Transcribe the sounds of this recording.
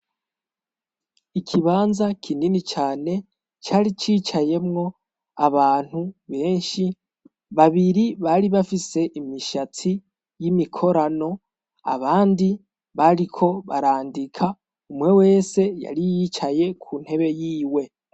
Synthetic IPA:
ikʰiβaːnzakʰininit͡ʃaːne̞ | t͡ʃaːɾit͡ʃiːt͡ʃaje̞mŋo̞ | aβaːn̥huβe̞ːnʃi | βaβiɾiβaɾiβafise̞ʔimiʃat͡si | jimikʰo̞ɾano̞ | a̰βaːndi | βaɾikʰo̞βaɾaːndikʰa | umŋe̞we̞ːse̞ja̰ɾijit͡ʃaje̞kʰuːn̥he̞βe̞jiːwe̞

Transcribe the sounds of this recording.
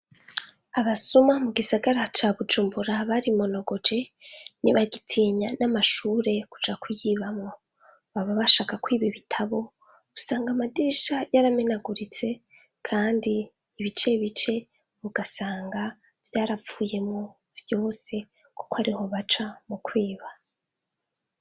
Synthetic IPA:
aβasumamuɡisaɡaɾat͡ʃaβud͡ʒuːmbuɾaβaɾimo̞no̞ɡo̞d͡ʒe̞niβaɡitʰiːɲanamaʃuːɾe̞ku̥t͡ʃakujiːβamŋo̞ | βaβaβaʃaːkakwiːβiβitʰaβo̞ | usaːŋɡamadiːʃajaɾamenaɡuɾit͡se̞ | kʰaːndiː | βit͡ʃe̞βit͡ʃe̞ | βuɡasaːŋɡa | vjaːɾafuːje̞mŋo | vjo̞ːse̞ | ko̥koaɾiho̞βat͡ʃamukwiːβa

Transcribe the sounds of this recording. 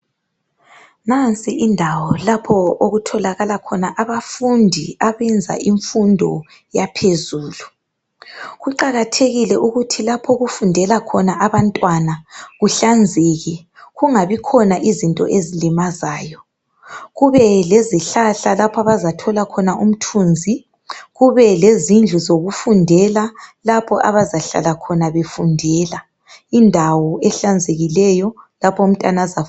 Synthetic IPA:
nant͡sʼiʔindʱawɔlapʰɔoɣutʰɔlaɣalakʰɔnaʔaβafundʱiaβɛnd͡zʱa̰ʔiɱfundʱɔ | japʰezuːlu | ɣuǃaɣatʰeɣilɛʔuɣutʰilapʰɔɣufundʱɛlakʰɔnaʔaβantʼwanaɣuɬand͡zʱeɣi | ɣuŋaβikʰɔnaʔizintʼɔ̰ʔezilimazaːjɔ | ɣuβɛleziɬaɬalapʰaβazatʰɔlakʰɔnaʔum̩tʰund͡zʱi | ɣuβɛlezind͡ɮʱuzoɣufundʱɛlalapʰɔʔaβazaɬa̰lakʰɔnaβefundʱɛla | indʱawɔɛɬand͡zʱeɣilɛjɔlapʰɔum̩tʼanaza

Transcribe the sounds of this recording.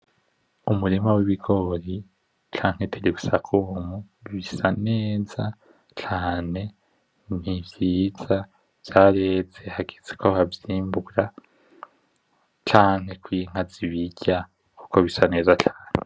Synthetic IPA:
umuɾimawiβiɡo̞ɾi | t͡ʃaːŋ̥he̞tʰeɾiɡusakʰumu | βiβisane̞ːza | t͡ʃaːne̞ | nivjiːz̥a | v̥jaɾe̞ːze̞haɡeze̥kohavjiːmbuɡɾa | t͡ʃaːŋ̥he̞kwiŋ̥haziβiɟa | ku̥ko̞βisane̞ːzat͡ʃaːne

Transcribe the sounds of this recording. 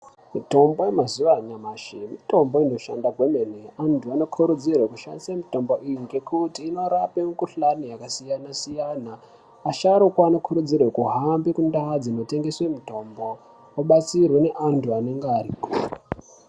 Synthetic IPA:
mito̞mbo̞jemazuʋaɲamaʃemito̞mbo̞ino̞ʃa̰ndakwe̞meneantʰuano̞kʰuɾud͡zirwekuʃa̰ndisamito̞mbo̞ʔijiŋɡe̞kutiːno̞ɾapemukuɬanijakasijanasijaːnaː | ʃaɾokwaːno̞kʰuɾud͡zirwekuɦambikundad͡zino̞te̞ŋɡe̞swe̞mito̞mbo̞ | oɓat͡sirwe̞ne̞ʔantʰuane̞ŋɡeariːkoː

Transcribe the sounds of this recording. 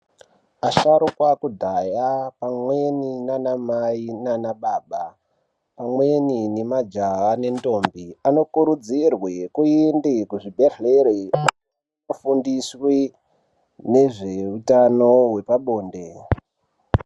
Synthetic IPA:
aʃaɾukwakudʱajapamweninanamainanaɓaːɓa | pamweninemad͡ʒaʋane̞nto̞mbiano̞kuɾud͡zirwekuindikuʐibʱeɬeɾe | ofundiswi | ne̞ʐe̞utano̞we̞paɓo̞ːnde̞

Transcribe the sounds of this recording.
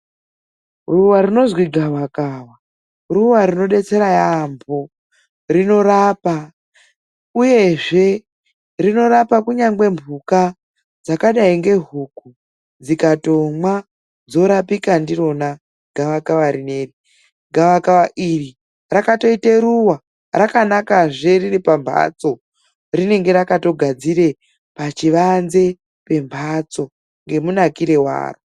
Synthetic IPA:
ruwarino̞zwiɡʱawakawa | ruwaɾino̞ɗe̞t͡se̞ɾajambʱo̞ | rino̞rapa | uje̞ʐe̞ | rino̞ɾapakuɲaŋɡwe̞mbʱuka | d͡zakaɗaiŋɡe̞ɦuku | d͡zikato̞mwa | d͡zo̞ɾapikandiro̞na | ɡʱaʋakaʋaɾineːri | ɡʱaʋakaʋaʔiri | rakato̞iteɾuwa | rakanakaʐe̞riripambʱa̰t͡so̞ | rine̞ŋɡe̞ɾakato̞ɡʱad͡ziɾe̞ | pat͡ʃiʋanze̞ | pe̞mbʱat͡so̞ | ŋɡe̞munakiɾe̞wa̰ːro

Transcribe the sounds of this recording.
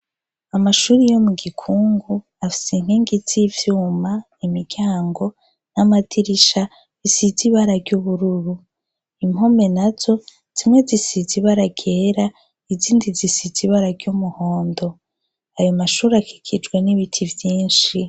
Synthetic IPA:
amaʃuːɾijo̞muɡikʰuːŋɡu | afi̥sin̥hiːŋɡizivjuːmanimiɡɡɟjaːŋɡo̞ | namatʰiɾiʃa | zisiziβaɾaɾɟuβuɾuɾu | im̥o̞me̞naz̥o̞ | z̥imŋe̞zisiziβaɾaɡeːɾa | iziːndizisiziβaɾaɾɡɟumuho̞ːndo̞ | ajo̞maʃuːɾiakʰi̥kʰid͡ʒɡweniβitʰivjiːnʃi

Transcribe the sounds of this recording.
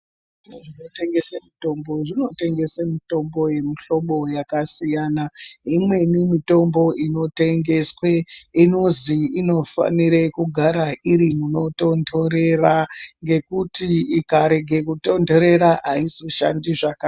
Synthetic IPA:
ʐ | imeʐino̞te̞ŋɡe̞semito̞mbo̞ʐino̞te̞ŋɡe̞semito̞mbo̞je̞miɬo̞ɓo̞jakasijaːnaimwe̞nimito̞mbo̞ʔino̞te̞ŋɡe̞swe̞ino̞ziino̞fa̰niɾe̞kuɡʱaɾaʔiɾimuno̞to̞ndoɾe̞raŋɡe̞kutiikaɾe̞ɡʱe̞kuto̞ndoɾe̞ɾaʔaizoʃandiʐaka

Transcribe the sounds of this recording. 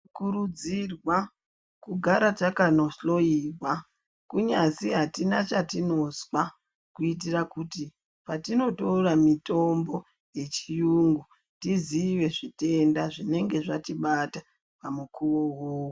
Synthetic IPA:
kuɾud͡zirwa | kuɡʱaɾatakanoslo̞jiːrwa | kuɲaziɦatinat͡ʃatino̞swa | kuit̬irakuti | patino̞to̞ramito̞mbo̞ | je̞t͡ʃijuŋɡu | tiziʋe̞ʐite̞ndaʐine̞ŋɡe̞ʐatiɓata | pamukʰuʋo̞woːwo

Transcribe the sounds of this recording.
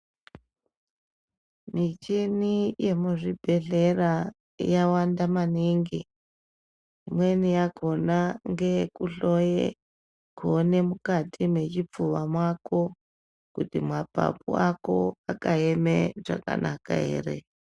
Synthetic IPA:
mit͡ʃinije̞muʐibʱe̞ɮe̞ra | jawandamaniŋɡi | imwe̞nijaɡʱo̞naŋɡe̞kuɬo̞jḛ | kuone̞mukatʰime̞t͡ʃip͡fuʋamwako̞ | kutimwapa̰pṵako̞akaemeʐa̰ka̰nʔaka̰ɦḛːrḛ

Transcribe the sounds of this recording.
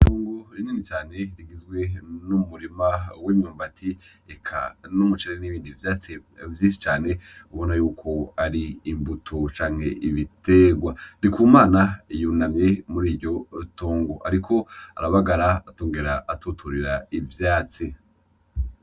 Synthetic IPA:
tuːŋɡoɾininit͡ʃaːne̞ɾiɡizɡwe̞numuɾimawemɲuːmbatʰi | ekʰa̰numut͡ʃeɾeeniβiːndivjaːt͡sivjiːʃit͡ʃaːne̞uβonajuːkʰo̞aɾiːmbutʰot͡ʃaːŋ̥he̞ʔiβite̞ɡwanikuːmaːnajunamɲe̞muɾiːɾɟo̞tuːŋɡoʔaɾikʰo̞aɾaβaɡaɾaatuːŋɡeɾaʔːtutʰuɾiɾaivjaːt͡si

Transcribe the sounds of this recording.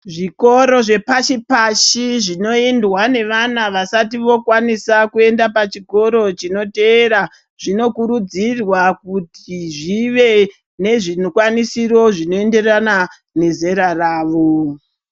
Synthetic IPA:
ʐiko̞ɾo̞ʐe̞paʃipaʃiʐino̞indwane̞ʋanaʋasatiʋo̞kwanisakue̞ndapat͡ʃiko̞ɾo̞t͡ʃino̞teːɾa | ʐ̥ino̞kuɾud͡zirwakutiʐiʋe̞ | ne̞ʐinokwanisiro̞ʐino̞e̞nde̞rana | ne̞ze̞ɾaraːʋo̞

